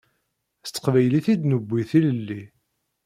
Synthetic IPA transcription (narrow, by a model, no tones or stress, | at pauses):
st͡s̪ːə̥qvæjliθid̪nəbʷːiθiləlːi